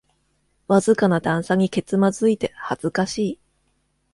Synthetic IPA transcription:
βazɨkanad̪ãɰ̃saɲ̟ike̞t͡sɨmazɨit̪e̞haz̥ɨkaɕiː

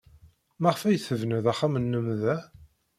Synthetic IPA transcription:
mæʁfæjθəvnəðæχːamənːəmðæ

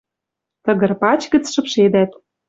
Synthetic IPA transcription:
t̪ə̆ɣɤ̆rpɑt͡ɕɡə̆t͡sʃɤ̆pʃed̪æt̪̚

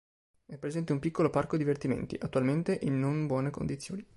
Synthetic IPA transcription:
ɛpːɾezɛnt̪eumpikːoloparkod̪ivert̪imḛnt̪ḭʔat̪ːualment̪eʔinːombwɔːneko̰nd̪it̪sːjo̰ːni

